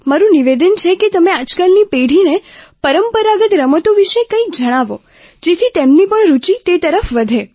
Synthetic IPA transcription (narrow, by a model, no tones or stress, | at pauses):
maɾũniʋed̪ənt͡ʃʰetket̪əmẽad͡ʒkəlnipeɽ̤inepəɾəmpəɾaɡət̪ɾəmət̪oʋiʃekə̃ikd͡ʒəɽ̃aʋo | d͡ʒet̪ʰit̪emnipəɳɾut͡ʃit̪et̪əɾəfʋəd̪ʱe